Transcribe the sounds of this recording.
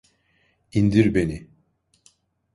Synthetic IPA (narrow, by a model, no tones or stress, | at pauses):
ind̪iɾbeni